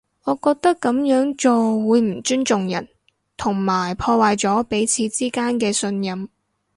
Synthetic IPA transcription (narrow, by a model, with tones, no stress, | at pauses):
ŋɔː˨˧kɔː˧k̚t̪ɐ˥kːɐ˨˥mjœː˨˥ŋt͡ʃɔː˨wuː˨˧jm̩˨˩t͡ʃyː˥nt͡ʃʊ˨ŋjɐ˨˩n | t̪ʰʊ˨˩ŋmaː˨˩jpʰɔː˧waː˨jt͡sɔː˨˥pe˨˥jt͡sʰiː˨˧t͡siː˥kaː˥nkɛː˧sɵ˧njɐ˨m